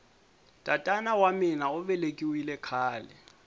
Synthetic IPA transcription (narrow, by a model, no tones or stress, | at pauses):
tʼatʼanawamɪnaʊβɛlekʼiwilɛkʰaːlɛ̰